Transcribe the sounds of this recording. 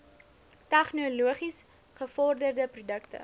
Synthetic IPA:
tɛχnuluəχis | χəfɔrdərdəprudəktə̰

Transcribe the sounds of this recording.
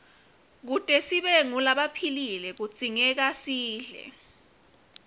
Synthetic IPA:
k̬utʼɛsiɓɛŋulaɓapʰililɛk̬ut͡sʼiŋɛk̬asiːɮɛ̰

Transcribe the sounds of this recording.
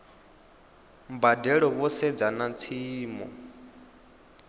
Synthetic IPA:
mbadɛɺɔβɔsɛd͡zanat͡sʰiːmɔ̰

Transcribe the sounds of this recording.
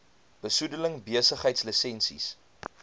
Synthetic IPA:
b̥əsudələŋbiəsəχɦəjtslisɛnsḭs

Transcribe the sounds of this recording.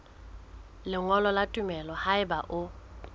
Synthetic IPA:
lɪŋɔlɔlatʼʊmɛlɔhaɪbaʔʊ

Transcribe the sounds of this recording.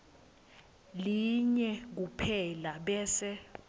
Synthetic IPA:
liɲɛk̬upʰɛlaɓɛːsɛ

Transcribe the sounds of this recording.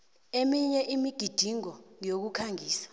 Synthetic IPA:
emiɲɛʔimiɡ̥ʱid̥ʱiŋɔŋijok̬ukʰaŋiːsḁ

